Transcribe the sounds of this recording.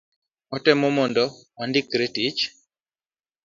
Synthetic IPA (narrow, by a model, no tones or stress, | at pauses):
ɔtɛmɔmɔndɔandikɾetit͡ʃ